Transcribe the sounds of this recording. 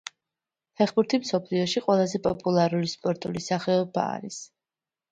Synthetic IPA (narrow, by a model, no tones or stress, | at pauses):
hɛχbuɾt̪ʰimsɔpʰliɔʃiqʼwɛlˠazɛpʼɔpʼulˠaɾulispʼɔɾt̪ʼṵlisaχɛɔba̰ːɾis